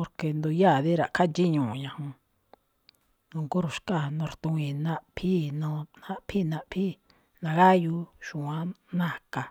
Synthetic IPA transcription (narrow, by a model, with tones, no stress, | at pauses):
po˧ɾke˧nd̪u˧ja˦˨ðe˦ɾa˨kʰa˦t͡ʃi˦ɲũ˨ɲã˧hũ˧ | nũ˧ŋku˦ɾu˨ʃka˦˨nõ˧ɾt̪ũ˧ĩ˧˨nã˦ʔpʰi˦nõ˧ã˦pʰi˦nã˧ʔpʰi˦ | nã˧ɣa˦ju˧ʃũ˨ã˦nã˦ka˨